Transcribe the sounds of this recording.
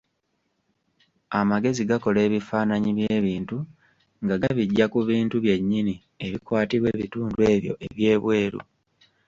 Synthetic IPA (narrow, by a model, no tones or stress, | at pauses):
amaɡe̞ziɡako̞le̞ːβifaːnaɲiβje̞ːβiːntu | ŋɡaɡaβiɟːakuβiːntuβje̞ɲːini | e̞βikwaːtiβwe̞ːβituːndue̞ːβjo̞̰ʔe̞βje̞ːβwe̞ːɾṵ